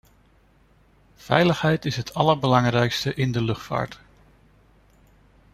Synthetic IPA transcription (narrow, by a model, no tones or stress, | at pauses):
v̥ɛ̰jləχɦɛjtɪsɦətʰɑləɹbəlɑŋrɛjkstəʔɪndəlɵχtfa̰ːɹt